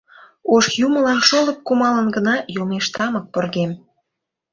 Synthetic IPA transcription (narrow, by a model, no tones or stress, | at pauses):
oʃjumə̆lɑnʃolə̆k̚kumɑlənɡənɑjomeʃt̪ɑmək̚porɣem